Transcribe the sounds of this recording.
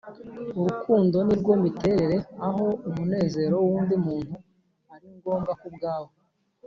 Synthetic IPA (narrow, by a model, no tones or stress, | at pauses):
uɾukʰuːndo̞niɾɡo̞mite̞ɾe̞ɾe̞aɦo̞umune̞ːze̞ːɾo̞wuːndimuːn̥hu | aɾiŋɡo̞ːmɡakub̚ɡaːwo